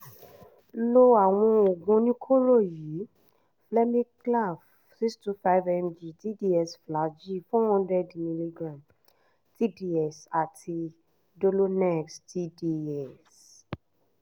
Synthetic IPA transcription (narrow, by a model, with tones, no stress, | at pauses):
lo˦˧a˨w̃ɔ̃˧o˨ɡũ˧nĩ˦kʰo˦ɾo˦˨ji˨˦ | flɛ˦mĩ˦kla˦˨f | si˦kstu˦fa˦vɛ˧md͡ʒi˨ti˦di˦ɛ˦˨sfla˨˦d͡ʒi˦fɔ̃˦hɔ̃˦ndɛ˦dmĩ˧li˧ɡɾã˨m | ti˦di˦ɛ˨sa˨tʰi˧ | do˧lo˦nɛ˦˨ksti˦di˦ɛ˦˨s